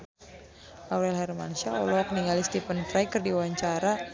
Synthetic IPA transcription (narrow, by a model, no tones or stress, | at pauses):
ʔawɾɛlɦɛrma̰nsalɔ̰lɔk̚niŋɡalist̪ifənfɾajkərdiwaɲt͡ʃaɾa